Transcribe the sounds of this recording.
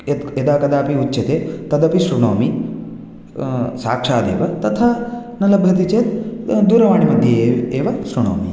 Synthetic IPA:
eed̪aːkɐd̪aːpiutːɐt̪eːt̪ɐd̪ɐpiʃɾuɳoːmi | sa̰ːkʂaːd̪ḛːʋɐt̪ɐt̪ʰaːnɐlɐbʱjɐt̪̬it͡ʃeːt̪d̪uːɾɐʋaːɳimɐd̪ʱjɐeːʋɐʃɾuɳo̰ːmḭ

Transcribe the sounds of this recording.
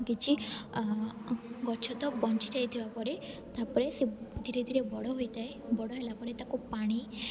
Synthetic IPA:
kit͡ʃʰi | ɡɔt͡ʃʰɔt̪ɔbɔnt͡ʃid͡ʒajt̪ʰibapɔɾe | t̪apɔɾesed̪ʱiɾed̪ʱiɾebɔɽɔɦojt̪aebɔɽɔɦelapɔɾet̪akupaɽ̃i

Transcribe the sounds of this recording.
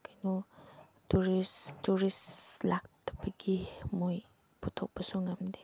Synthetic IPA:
kajnu | tuɾistuɾislak̚tɐbɐɡimoj | pɔtʰok̚bɐsuŋamdi̥

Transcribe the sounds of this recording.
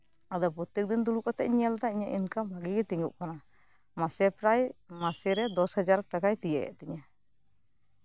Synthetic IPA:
ad̪ɔpɔt̪ɛk̚d̪ind̪ulukɔt̪ɛʔ̚ɲɛlt̪aiɲaʔinkamaɡiɡɛt̪iŋuʔkana | masɛpɾajmasɛɾɛd̪ɔshad͡ʒaɾʈakajt̪ijɛɛ̰ʔt̪ɛɲa

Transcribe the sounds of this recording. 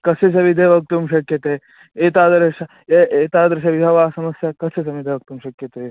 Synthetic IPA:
kɐses̬ɐʋid̪ʱeʋɐk̚t̪umʃɐkjɐt̪eː | eːt̪aːd̪ɾʃɐ | eeːt̪aːd̪ɾɐʃɐʋib̪ʱɐʋaːsɐmɐsjakɐsesɐʋid̪ʱeʋɐk̚t̪umʃɐkjɐt̪eː

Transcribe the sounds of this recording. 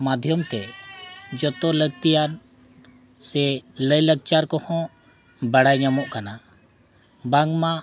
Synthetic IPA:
mad̪ʱjəmt̪ɛ | d͡ʒɔt̪ɔləɡt̪ijan | sɛləjləɡ̚t͡ʃaɾkɔhɔ̃ | bəɽajɲamɔʔkana | bãŋɡmã

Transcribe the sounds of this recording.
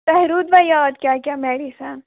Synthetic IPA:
t̪ɐɦɾuːd̪ʋajaːd̪kjaːkʲjaːmeːɽisan

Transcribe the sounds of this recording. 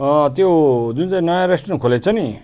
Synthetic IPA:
ʌt̪jod͡z̪unt͡sanʌjãɾesʈrʌnkʰolet͡sʰʌni

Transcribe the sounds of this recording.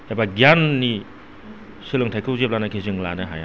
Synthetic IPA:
habaɡijanːi | silɯŋtʰajkʰɯwzep̚lanakʰizɯŋlanɯɦa̰ja

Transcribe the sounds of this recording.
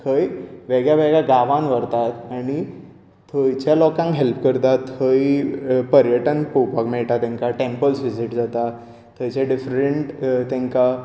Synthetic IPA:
kʰəjʋeɡjaʋeɡaɡaʋãnʋəɾt̪at̪aɽi | t̪ʰːəjt͡ɕjalɔkãŋkɦelpkəɾt̪at̪həipəɾjəʈənpowpakmɛɭʈ̪at̪ẽŋkaʈempəlsʋid͡ʑiʈd͡zat̪a | t̪ʰːəjt͡ɕaɖifɾeɳʈt̪ẽŋka

